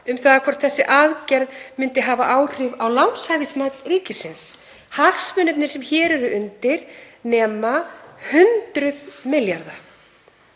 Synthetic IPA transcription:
ʏmθaːðakʰvɔɾ̥t̪θɛsːɪʔaðcɛɾðmɪnt̪ɪɦaːvaʔaːwr̥ɪvawlawnshavismat̪riːcɪsɪns | haxsmʏnʏp̪nɪɾ̥sɛmçɛːɾɛɾʏʔʏnt̪ɪɾ̥nɛːmahʏnt̪ɾʏðmɪljaɾða

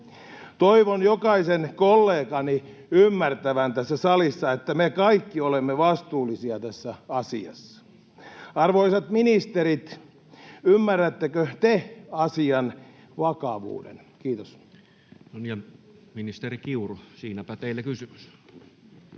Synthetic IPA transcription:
t̪oiʋonjokɑisenkolːeːkɑni | ymːært̪æʋænt̪æsːæsɑlisːɑet̪ːæmekɑikːiolemːeʋɑst̪uːlːisiɑt̪æsːæɑsiɑ̰sːɑ̥ | ɑrʋoisɑt̪minist̪eɾit̪ | ymːærːæt̪ːekøt̪eɑsiɑn | ʋɑkɑʋṵːdḛn | kiːt̪os | noniæminist̪erikiurosiːnæpæt̪eilːekysymy̥s

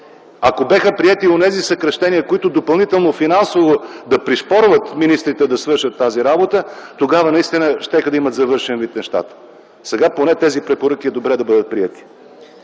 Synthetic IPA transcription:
ɐkobɛxəpɾiɛt̪ionɛzisɐkɾɐʃt̪ɛniəkoit̪ʊd̪opɐlˠnit̪ɛlˠnofinansovod̪ɐpɾiʃpɔɾvət̪minist̪ɾit̪ɛd̪ɐsvɤɾʃət̪ːaziɾabot̪ət̪oɡavənɐist̪inəʃt̪ɛxəd̪ɐimət̪zɐvɤɾʃɛnvit̪nɛʃt̪a̰t̪ə̥ | sɛɡaponɛt̪ɛzipɾɛpoɾɤk̟iɛd̪obɾɛd̪ɐbɤd̪ət̪̚pɾiɛt̪i̥

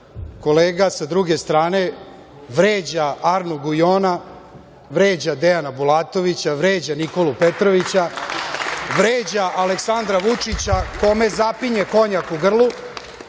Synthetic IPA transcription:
ko̞leːɡasad̪ɾuɡe̞st̪ɾaːne̞ | ʋɾeːd͡ʑaaɾnuɡujoːna | ʋɾeːd͡ʑad̪ejanabulaːt̪o̞ʋit͡ɕaʋɾeːd͡ʑaniko̞lupet̪ɾoʋit͡ɕa | ʋɾeːd͡ʑaʔaleksand̪ɾaʋut͡ʂit͡ɕako̞me̞zapiɲeko̞ɲakuɡr̩lˠu

